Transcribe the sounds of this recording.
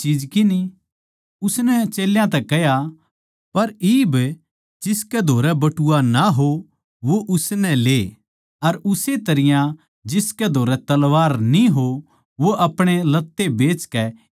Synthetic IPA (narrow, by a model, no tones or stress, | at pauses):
t͡ʃiːd͡ʒkɪni | ʊsnɛt͡ʃeːljãt̪ɛkɛja | pɐɾiːb | d͡ʒɪskɛd̪ʱoːɾɛbɐʈʊanaɦo | ʋoʔʊsnɛ̃leː | ɐɾʊset̪ɐɾɪjã | d͡ʒɪskɛd̪ʱoːɾɛt̪ɐlʋaːɾnĩɦo | ʋoʔɐpɽ̃elɐt̪ːebeːt͡ʃkɛ